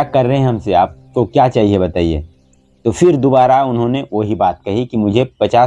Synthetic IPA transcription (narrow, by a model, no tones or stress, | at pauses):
akɐɾːɐɦẽɦɐ̃mseaːp̚kokjaːt͡ʃaːɦiebɐt̪aːiḛː | t̪oːfɪɾd̪obaːɾaʊnɦõneʋoɦibaːt̪̚kɐɦikimʊd͡ʒʱepɐt͡ʃaː